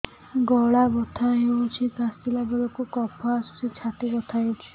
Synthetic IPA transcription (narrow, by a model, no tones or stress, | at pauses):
ɡɔɭabɔt̪ʰaɦeut͡ʃʰikasilabɔɾɔkukɔpʰɔasu̥sit͡ʃʰat̪ibɔt̪ʰajt͡ʃʰi̥